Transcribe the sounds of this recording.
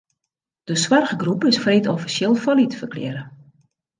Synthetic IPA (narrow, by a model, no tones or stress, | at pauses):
d̥əswarɣəɡrupɪsfreːtɔfisjɪlˠfɔlitəfərklɪ̰ːɾə